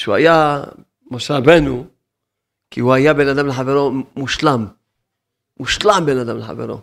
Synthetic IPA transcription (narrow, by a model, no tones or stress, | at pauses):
ʃua̰ja | moʃeɾabenu | kihuajabenad̪amleħaveɾomuʃlamː | uʃlambenad̪amleħa̰vḛɾo̰